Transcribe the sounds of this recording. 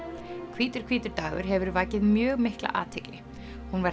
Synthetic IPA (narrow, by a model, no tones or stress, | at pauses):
kʰviːt̪ʏɾ̥kʰviːt̪ʏɾt̪aːvʏɾ̥ɦɛvʏɾvaːcɪðmjœːɣmɪhkla̰ʔa̰ːt̪ʰɪklɪ | hunva